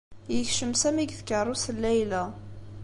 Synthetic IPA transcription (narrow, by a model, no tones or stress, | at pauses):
jəçʃəmsæmiɡθkərˤːusəlːæjlæ